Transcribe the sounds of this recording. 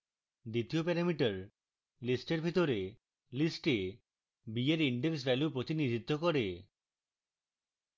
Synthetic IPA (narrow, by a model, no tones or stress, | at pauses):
d̪it̪iopɛɾamiʈɔɾ | lisʈeɾbʱit̪ɔɾe | lisʈe | bieɾiɳɖeksbɛlupɾot̪inid͡ʒit̪ːɔkɔɾe